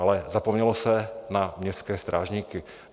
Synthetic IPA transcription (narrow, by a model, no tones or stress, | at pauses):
alɛzapɔmɲɛlɔsanamɲɛskɛːst̪ɾʔaːʒɲiːki